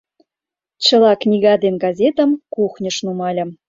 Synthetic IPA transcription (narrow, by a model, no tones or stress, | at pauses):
t͡ɕə̆lɑknʲiɣɑd̪enɡɑzʲet̪ə̆mkuxnʲə̆ʃnumɑlʲɤ̆m